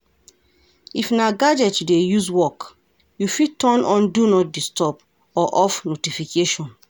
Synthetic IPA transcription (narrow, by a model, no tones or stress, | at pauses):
ifnaɡad͡ʒɛtudejuzwɔk | jufitɔ̃nɔ̃ndunɔt̚distɔp | ɔʔɔfnotifikeʃɔ̃n